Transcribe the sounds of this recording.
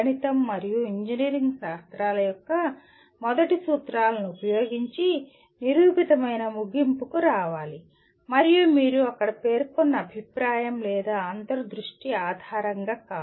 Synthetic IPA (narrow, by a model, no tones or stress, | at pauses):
ɐnit̪ɐmːɐɾijuiɲd͡ʒiniːɾiŋɡʃaːst̪ɾaːlɐjɔkːɐ | mɔd̪ɐʈisuːt̪ɾaːlɐnuupɐjo̞ːɡiɲt͡ʃi | niɾuːpit̪ɐmɐjnɐmuɡimpukuɾaːʋaːli | mɐɾijumiːɾuɐkːɐɽɐpe̞ːɾkɔnːɐːbʱipɾaːjɐmlɛːd̪aːaːnd̪ɐɾɐd̪ɾuʂʈiaːd̪ʱaːɾɐŋɡaːkaː